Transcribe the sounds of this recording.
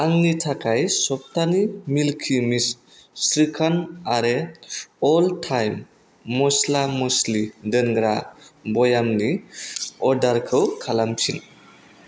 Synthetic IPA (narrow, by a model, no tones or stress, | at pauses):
aŋnitʰakajsɔp̚t̪animilkʰimisː | ɾikʰanaɾe | ɔltʰajmː | ɔslamɔslidəŋɡɾabɔjamni | ɔɾdaɾkʰɯwkʰalamtʰin